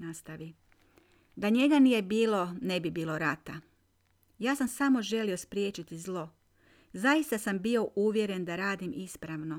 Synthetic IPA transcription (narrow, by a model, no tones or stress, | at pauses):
nast̪aʋi | d̪aɲe̞ɡanije̞biːlˠo̞ne̞bibiːlˠo̞ɾat̪a | jaːsamsamo̞ʒe̞lio̞spɾijeːt͡ʃit̪izlˠo̞ | zaist̪asambio̞ʔuʋje̞ɾe̞nd̪aɾaːd̪imispɾaʋno̞